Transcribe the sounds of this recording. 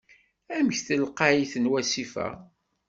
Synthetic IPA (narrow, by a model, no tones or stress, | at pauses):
æməçθəlqaiθənwæsifæ̰